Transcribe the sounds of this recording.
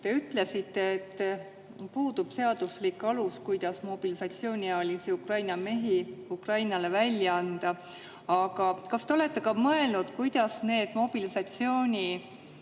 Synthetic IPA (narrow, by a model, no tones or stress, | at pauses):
t̪e̞yt̪ːle̞sit̪ːˑe̞ːt̪ː | puːd̪ub̥se̞ɑd̪̥uslikːˑɑluskujd̪̥ɑsmo̞b̥ilisɑt̪sio̞ːnʲiɑɑlisiukrɑjnɑme̞ɦiukrɑjnɑle̞vælʲjɑɑnd̪̥ɑ | ɑɡ̥ɑkɑst̪e̞ole̞t̪ːˑe̞kɑmɤe̞lnud̪̥kujd̪̥ɑsne̞ːd̪̥mo̞b̥ilisɑt̪sio̞ːnʲi